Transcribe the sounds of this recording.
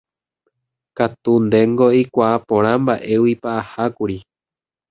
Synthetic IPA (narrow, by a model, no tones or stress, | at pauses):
kat̪und̪e̞ŋɡoikʷaapõ̞ɾ̃ãmbaʔe̞wipaʔahakuɾi